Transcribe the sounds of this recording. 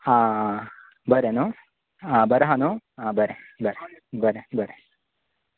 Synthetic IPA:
a | bɐɾeno | abɐɾɐɦɐnoãbɐɾebɐɾebɐɾebɐɾe

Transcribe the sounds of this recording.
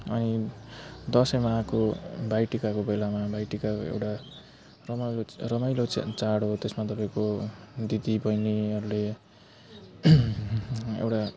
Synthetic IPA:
ʌni | d̪ʌsʌjmaakobajʈikakobelamabajʈikako̰ḛwʈa | rʌmlorʌmʌjlo̰t͡saɽɦot̪esmat̪ʌpaĩkod̪id̪ibʌjniʌɾule | ḛwʈa

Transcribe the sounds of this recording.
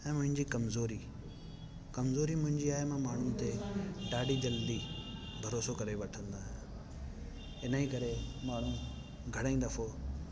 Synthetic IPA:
ɛ̃ːmʊ̃ɦɪ̃ɲd͡ʑikɐmzoːɾi | kɐmzoːɾimʊ̃ɦɪ̃ɲd͡ʑiaːɦemãmaːɳ̤ʊnɪ̆t̪eɖaːɖʱid͡ʑɐld̪ibʱɐɾoːsokɐɾeʋɐʈʰə̃nd̪aːɦɪ̃ | ɪnəikɐɾemaːɳ̤ũ | ɡʱɐɽ̃aĩːd̪ɐfo

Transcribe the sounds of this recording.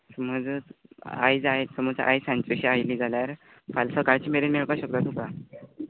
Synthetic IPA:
səməd͡z | a̰jd͡zaesəmɔd͡zʔa̰jsãnt͡ɕeɕiajliːd͡zʱaljaɾ | falsəkaɭt͡ɕiːmeɾinmeɭkaɕək̚t̪at̪uka

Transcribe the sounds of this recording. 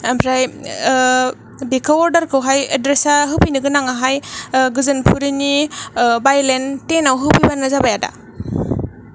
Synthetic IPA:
ampʰɾaj | bekʰaɔɾdaɾkʰɯwɦajedɾesaɦɯpʰijnɯɡɯnaŋaɦajɡɯzɯnpʰuɾinibajlentenawɦɯpʰibanːazabajada̰

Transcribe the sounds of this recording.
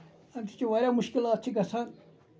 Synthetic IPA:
ɐnt̪ʰi̥t͡ʃiʋɐɾʲamuʃkilaːt̪̚t͡ʃʰikɐsʰaːn

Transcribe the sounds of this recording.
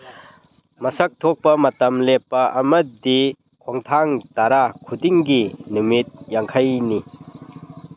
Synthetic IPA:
mɐsɐk̚tʰok̚pɐmɐtɐmlepːɐʔɐmɐd̪i | kʰoŋtʰaŋtaɾakʰudiŋɡinumit̚jaŋkʰajni

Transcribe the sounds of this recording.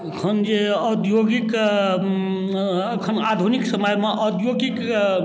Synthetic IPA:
əkʰənd͡ʒeəd̪joɡik | əkʰənad̪ʱuniksəməjmeʔəd̪joɡik

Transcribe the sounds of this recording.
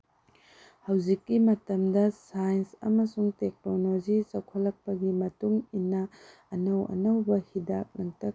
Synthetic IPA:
hɐwzikːimɐtɐmdɐsajnsɐ̰mɐsuŋtek̚nolod͡ʒisɐwkʰɐlːɐk̚pɐɡimɐtuŋinːɐː | nɐwɐ̰nɐwbɐhidak̚nɐŋtɐk̚

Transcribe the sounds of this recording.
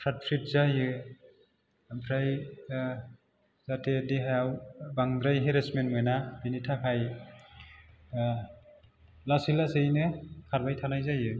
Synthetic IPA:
pʰɾat̚pʰɾit̚zajɯ | ampʰɾaj | z̥atʰediɦajawbaŋdɾajɦeɾesmenmɯjnabinitʰakʰaj | lasilasejnɯkʰaɾbajtʰanajzajɯ

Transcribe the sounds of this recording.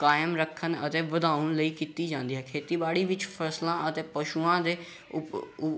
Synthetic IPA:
kaːjəmɾəkʰːənə̰t̪eːʋəd̪aːʊənləiːkiːt̪iːd͡ʒãːnd̪iːɦɛːkʰeːt̪iːbaːɽiːʋɪt͡ʃpʰəslãːʔət̪eːpəʃuãːd̪eː | ʊ

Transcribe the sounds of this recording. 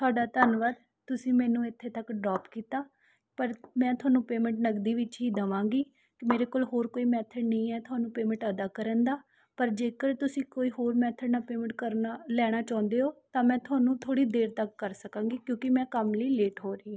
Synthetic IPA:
t̪ʰʊaːɖaːt̪ənʋəɾ | t̪ʊsĩːmɛ̃ːnũːɪt̪ʰːeːt̪əkɖɾɔːpkiːt̪aː | pəɾmɛ̃ːt̪ʊaːnũːpeːmə̃ɳʈnəɡd̪iːʋɪt͡ʃɦiːd̪əʋãːŋɡiː | kɪmeːɾeːkoːlɦoːɾkoːiːmɛːt̪ʰəɖnəĩːɛːt̪ʰʊaːnũːpeːmə̃ɳʈəd̪aːkəɾə̃nd̪aː | pəɾd͡ʒeːkəɾt̪ʊsĩːkoːiːɦoːɾmɛːt̪ʰəɖnaːpeːmə̃ɳʈkəɾnalɛːɽ̃aːt͡ʃãːnd̪eːɦoːt̪ãːmɛ̃ːt̪ʰʊaːnũːt̪ʰoːɽiːd̪eːɾt̪əkːəɾsəkãːɡiːkjõːkɪmɛ̃ːkəmləiːleːʈɦoːɾiː

